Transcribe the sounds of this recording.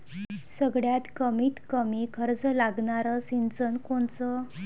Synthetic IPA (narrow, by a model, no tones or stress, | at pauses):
səɡɽjat̪kəmiːt̪kəmikʰəɾd͡zlaɡɳaɾəsint͡sənkoɳt͡sə